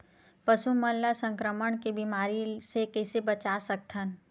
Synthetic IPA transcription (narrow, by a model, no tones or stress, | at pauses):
pəʃuməlːasə̃ŋkɾəməɽ̃kebimaːɾisekɛːsebɐt͡ʃasək̚t̪ʰən